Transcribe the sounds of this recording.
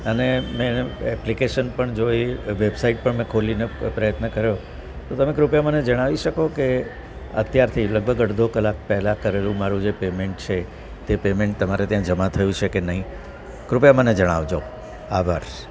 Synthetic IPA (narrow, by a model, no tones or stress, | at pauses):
ənemẽɛplikeʃənpəɳd͡ʒoiʋebsaiʈ̚pəɳmɛ̃kʰolinepɾəjət̪nəkəɾjo | t̪ot̪əmẽkɾupjamaned͡ʒəɽ̃aʋiʃəkoke | ə̰t̪jaɾt̪ʰiləɡ̚bʱəɡəɽd̪ʱokəlak̚pɛɦlãkəɾelũmaɾũd͡ʒepemeɳʈt͡ʃʰe | t̪epemẽɳʈ̚t̪əmaɾet̪jãd͡ʒəmat̪ʰəjũt͡ʃʰekenəɦĩ | kɾupjamaned͡ʒəɽ̃a̰ʋd͡ʒo | aʋaɾ